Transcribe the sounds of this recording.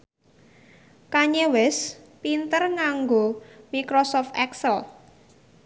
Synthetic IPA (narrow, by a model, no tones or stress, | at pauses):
kaɲewɪspint̪ərŋaŋɡomikɾosɔft̪ɛksəl